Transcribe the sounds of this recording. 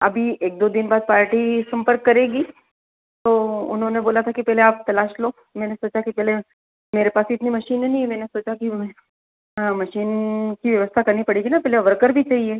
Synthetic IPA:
ɐbʱieːk̚d̪oːd̪ɪnbaːd̪̚paːɾʈisɐ̃mpəɾkːɐɾeːɡi | t̪oːʊ̰nɦõneboːlat̪ʰakipɛːɦleaːp̚t̪ɐlaːʃloː | mɛ̃ːnesoːt͡ʃakipɛːle | meːɾepaːsiɪt̪nimɐʃiːnɦɛnĩɦɛmɛ̃ːnesoːt͡ʃakiɛ̃ | ɦãmɐʃiːnkiʋjɐʋəst̪ʰakɐɾnipɐɽiɡinapɛːleʋɐɾkəɾbʱit͡ʃaːɦieː

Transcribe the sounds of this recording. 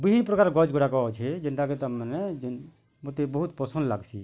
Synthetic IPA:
biɦinpɾəkaɾɡɔd͡ʒɡoɾakɔɔt͡ʃʰɛd͡ʒənt̪aket̪əmned͡ʒin | mot̪ebəɦut̪pəsə̃nd̪la̰ɡt͡ʃʰḭ

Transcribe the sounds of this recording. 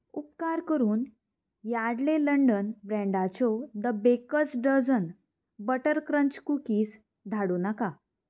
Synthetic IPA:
upkaɾkəɾuːn | jaɽleləɳɖənbɾɛ̃ɳɖat͡sɔd̪əbekəsɖəd͡zən | bəʈəɾkɾəɲt͡ɕkukiːs | d̪ʱaɽuːnaka

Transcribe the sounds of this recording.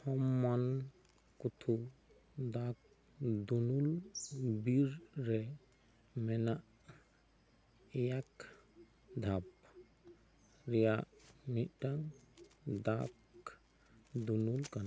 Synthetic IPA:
hɔmːan | kut̪ʰu | d̪ak̚ | d̪unulbiɾːɛ | mɛnaʔ | ɛjak | d̪ʱap̚ | ɾɛjaʔniʔʈaŋ | d̪ak | d̪unulkan

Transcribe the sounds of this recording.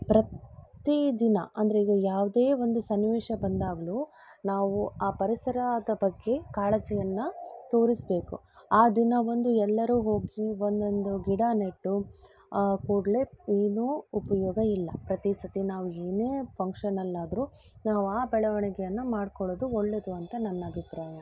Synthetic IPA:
pɾɐtt̪id̪inɐ̰ʔɐnd̪ɐɾeiɡɐjaːʋd̪eːʋond̪usɐnːiʋeːʃɐbɐnd̪aːɡɐluː | naːʋuaːpɐɾisɐɾad̪ɐpɐɡːe̞kaːɭɐt͡ʃɛjɐnːɐt̪o̞ːɾisbe̞ːkuaːd̪inɐʋo̞nd̪uɛlːɐɾuːɦo̞ːɡiʋond̪ond̪uɡiɽaneʈːu | kuːɽleeːnuːupɐjɔːɡɐilːɐpɾɐt̪isɐt̪inaːʋueːneːpɐŋkʂɐnɐlːaːd̪ɐɾuː | naːʋuaːbɛɭɐʋɐɳɛɡɛjɐnːɐmaːɖkɔɭoːd̪uoɭːe̞d̪uɐnt̪ɐnɐnːɐɐbʱipɾaːjɐ

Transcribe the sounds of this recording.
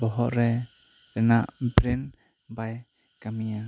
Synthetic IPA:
bɔɦɔʔɾɛtɛnaʔbɾɛnbajkamija

